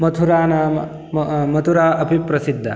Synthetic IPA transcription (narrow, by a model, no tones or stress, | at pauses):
mɐt̪ʰuɾaːnaːm | mɐt̪ʰuɾaːʔɐpipɾɐsid̪ʱːɐ̰